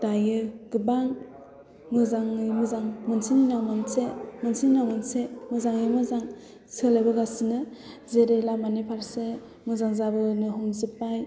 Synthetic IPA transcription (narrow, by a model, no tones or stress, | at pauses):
d̥ajɯɡɯbaŋ | mɯzaŋimɯzaŋmɯnsininawmansemɯnsininawmansemɯzaŋimɯzaŋ | sɯlabɯɡasinɯzeɾelamanipʰaɾse | mɯzaŋzabɯnɯɦumzɯpaj